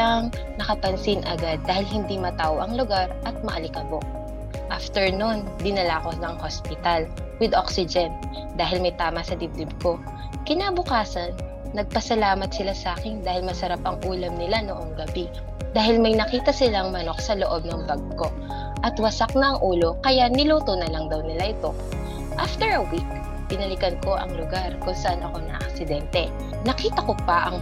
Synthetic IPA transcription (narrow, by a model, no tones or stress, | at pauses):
aŋ | nɐkɐpɐnsɪnʔɐɡad̪̚ːaːhɪlhɪnd̪imɐt̪aʔoʔɐŋlʊɡaɾʔɐt̪̚mɐʔɐlɪkɐbok̚ | ʔaft̪ɛɹnund̪ɪnɐlaːkonɐŋhospɪt̪al | wɪd̪ʔoksɪd͡ʒɛn | d̪aːɦɪlmɐjt̪aːmɐsɐd̪ɪb̚d̪ɪb̚ko̞ | kɪnaːbʊkaːsɐnː | ɐɡ̚pɐsɐlaːmɐt̪̚sɪlasaːkɪnd̪aːhɪlmɐsɐɾapɐŋʔuːlɐmnɪlanoʔoŋɡɐbi | d̪aːhɪlmɐjnɐkiːt̪ɐsɪlaŋmɐno̞k̚sɐloʔo̞b̚nɐŋbɐɡko̞ | ʔɐt̪wɐsak̚nɐʔɐŋʔuːlo̞kɐjaʔnɪluːt̪onɐlɐŋd̪ɐwnɪlaʔɪt̪o̞ | ʔaft̪ɛɹɐwik | pɪnɐlɪkɐnko̞ʔɐ̰ŋlʊɡaɾkʊnsɐʔanʔɐko̞nɐ̰ʔɐ̰ksɪd̪ɛnt̪ɛ | nɐkiːt̪ɐko̞pɐʔɐŋ